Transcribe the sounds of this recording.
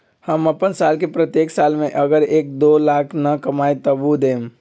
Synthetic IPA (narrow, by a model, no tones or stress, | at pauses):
həməpənsalkepɾət̪jeksalmeʔəɡəɾek̚d̪olakʰnəkəmajt̪əbud̪em